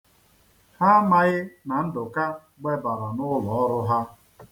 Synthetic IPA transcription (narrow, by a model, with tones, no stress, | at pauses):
ha˦ma˨ɣɪ˦na˨n̩˦dʊ˨ka˦ | ɡ͡be˦ba˨ɾa˨nʊ˦lɔ˨ɔ˦ɾʊ˦ɦa˦